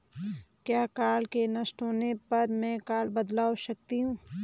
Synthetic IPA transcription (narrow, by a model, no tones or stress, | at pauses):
kjaːkaːlkenɐsʈɦoːnepɐɾmɛ̃kaːlbɐd̪laːoʃɐk̚t̪iɦũː